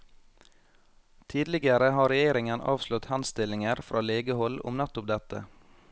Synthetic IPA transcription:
t̪ʰiːd̪lɪɡəɾəhɑːɾɛjeːɾɪŋənʔɑ̰ːʋslʊt̪hænst̪ɪlɪŋəɾfɾʔɑːleːɡəhɔlʊ̰mnɑt̪ʊpd̪ɛt̪ə̰

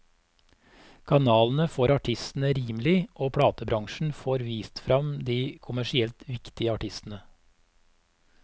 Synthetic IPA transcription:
kʰɑnɑːln̩əfoːɾɑʈʰɪst̪n̩əɾiːmlɪʔoːpʰɽɑːt̪əbɾɑŋʃɳ̩foːɾʋiːst̪fɾɑmd̪iːkʰʊmæʃɪɛlt̪ʋɪkt̪ɪəɑʈɪst̪n̩ə

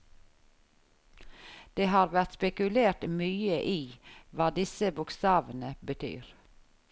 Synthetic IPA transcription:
d̪̥eːhɑːɾʋæɾt̪spɛkʉleːɾt̪myːəʔiːʋɑːd̪ɪsəbʊkst̪ɑːʋənəbət̪ʰy̰ːɾ

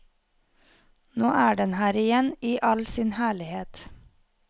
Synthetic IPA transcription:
noːʔæːɖɛnhæːɾɪjɛniːʔɑlsɪnhæːɭɪheːt̪

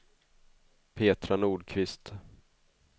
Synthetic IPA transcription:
pʰeːt̪ɾanuːɖkʰvɪst̪

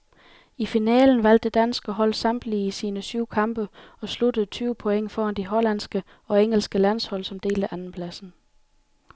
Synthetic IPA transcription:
ifinɛ̰ːln̩ʋæl̰d̥əd̥æn̰sɡ̥əɦɒ̽l̰sɑ̈md̥liisiːnəsyʊ̰kʰɑ̈mb̥əɒ̽sludəð̩ˠt͡sʰyːʊpʰo̽eŋ̰fɒːɑnd̥iɦɒ̽lænsɡ̥ə | ɒ̽eŋəlsɡ̥əlæn̰shɒ̽l̰sɒ̽md̥e̝̰ːld̥æʔænn̩pʰlæsn̩

